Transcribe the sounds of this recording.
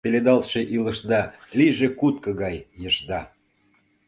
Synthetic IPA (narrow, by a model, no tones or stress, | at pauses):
peled̪ɑlʃeʔiləʃd̪ɑliʒekut̪̚kə̆ɣɑjːəʃd̪ɑ